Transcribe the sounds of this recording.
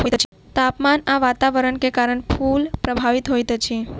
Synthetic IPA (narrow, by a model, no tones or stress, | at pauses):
ɦojt̪ | t̪apmanaʋat̪aʋəɾəɳkekaɾəɳpʰulpɾəbʱaʋit̪ɦojt̪ət͡ʃʰi